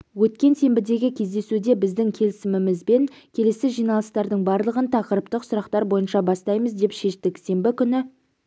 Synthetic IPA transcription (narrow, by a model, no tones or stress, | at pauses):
wɵt̪̚kʲe̞nse̞mbɪd̪e̞ɡʲɪkʲʰe̞zd̪e̞sud̪e̞bɪzd̪ɪŋkʲʰe̞lɪsɪmɪmɪzbe̞ŋkʲʰe̞le̞sɪʒijnɑlˠəst̪ɑɾd̪əɴbɑɾlˠəʁənt̪ʰɑqəɾəpt̪əqsʊɾɑqt̪ɑɾbo̞jənʃɑbɑst̪ɑjməzd̪e̞pʃe̞ʃt̪ɪkse̞mbɪkʲʏnɪ